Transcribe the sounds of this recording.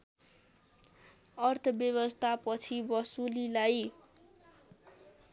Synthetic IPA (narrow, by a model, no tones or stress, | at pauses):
ʌrt̪ʰʌbjʌβʌst̪ʰapʌt͡sʰibʌsulilaj